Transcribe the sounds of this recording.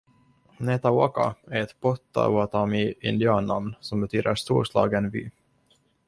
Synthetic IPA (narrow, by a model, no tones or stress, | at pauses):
nɛt̪aoːka̰æɾɛt̪bɔt̪ːa̰ɔat̪ʰɑːmiɪ̰nd̪ɪɑːnːamnsɔmbɛt̪ʰyːd̪əɾʂt̪uːɾʂlɑ̰ːɡənvy̰ː